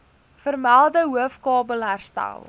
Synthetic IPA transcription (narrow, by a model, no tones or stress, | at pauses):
fərmælˠdəɦuəfkɑːbəlˠɦærstæ̰lˠ